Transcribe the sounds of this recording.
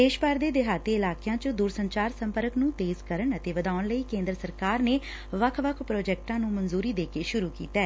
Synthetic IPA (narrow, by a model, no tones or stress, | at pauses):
d̪eːʃbaːɾd̪eːd̪ɪɦaːt̪eːɪlaːkjãːt͡ʃəd̪uːɾsəɲt͡ʃaːɾsə̃mpəɾəknũːt̪eːzkəɾəɳət̪eːʋəd̪aːʊɳləiːkẽːnd̪ɾəsəɾkaːɾneː | ʋəkʰʋəkʰpɾoːd͡ʒɛːk̚ʈãːnũːmənzuːɾiːd̪eːkeːʃʊɾuːkḭːt̪ɛː